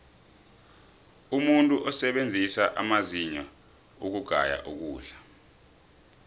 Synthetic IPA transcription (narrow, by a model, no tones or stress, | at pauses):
umuntʼuʔɔsɛɓend͡zʱisaʔamaziɲa | uk̬uɡ̥ʱa̰ja̰ʔuk̬uːɮḁ